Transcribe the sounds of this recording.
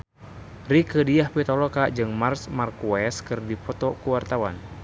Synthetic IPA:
rikədiahpit̪ɔlɔkaʔd͡ʒɨŋmarsmarkuɛskɨrdipɔt̪ɔkuwart̪awa̰n

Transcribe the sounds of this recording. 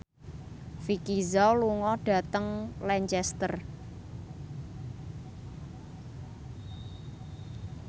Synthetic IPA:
fikizɔluŋɔɖ̥ä̤t̪əŋlɛɲt͡ʃɛst̪ər

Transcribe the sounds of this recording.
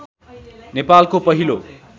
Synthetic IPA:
nepalkopʌɦilo

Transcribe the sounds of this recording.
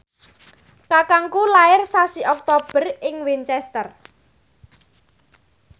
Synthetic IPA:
kakaŋkulaɪrsasiʔɔk̚t̪ob̥ə̤rɪŋwint͡ʃɛst̪ər

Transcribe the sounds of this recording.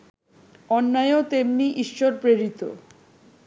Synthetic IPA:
ɔnːaeot̪emniʔiʃːoɾpɾeɾit̪o̰

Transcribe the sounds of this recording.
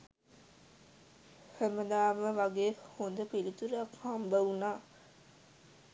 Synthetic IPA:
həməd̪aːməʋaɡeːhond̪əpilit̪uɾakhambəwunaː

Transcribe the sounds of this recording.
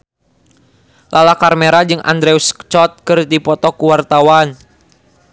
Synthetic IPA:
lʔalakarmeɾad͡ʒɨŋʔa̰nd̪ɾɛust͡ʃɔt̪̚kɨrdipɔt̪ɔkuwart̪awan

